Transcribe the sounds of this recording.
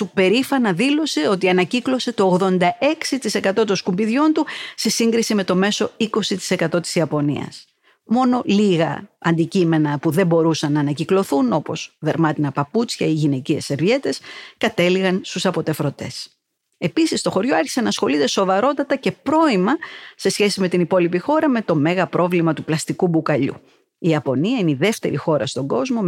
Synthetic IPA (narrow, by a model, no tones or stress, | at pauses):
supe̞ɾifɐnɐðilo̞se̞o̞t̪̬iɐnɐciklo̞se̞t̪o̞ːɣðo̞nd̪ɐe̞ksit̪ise̞kɐt̪o̞t̪o̞nskumbiðʝo̞nt̪use̞siŋɡɾisime̞t̪o̞me̞so̞iko̞sit̪i̥se̞kɐt̪o̞t̪i̥siɐpo̞nḭɐ̰s | mo̞no̞liɣɐ̰ɐ̰nd̪icime̞nɐpuðe̞mbo̞ɾusɐnːɐːnɐciklo̞θuno̞po̞sðe̞ɾmɐt̪inɐpɐput͡sçɐiʝine̞cie̞se̞ɾvʝe̞t̪e̞skɐt̪e̞liɣɐnst̪usɐpo̞t̪e̞fɾo̞t̪e̞s | e̞pisist̪o̞xo̞ɾʝo̞ɐɾçise̞nɐːsxo̞lit̪e̞so̞vɐɾo̞t̪ɐt̪ɐce̞pɾo̞imɐse̞sçe̞simet̪inipo̞lipixo̞ɾɐme̞t̪o̞me̞ɣɐpɾʔo̞vlimɐt̪uplɐst̪ikubukɐʎṵ | iɐpo̞niɐineiðe̞ft̪e̞ɾixo̞ɾɐ̰st̪o̞ŋɡo̞zmo̞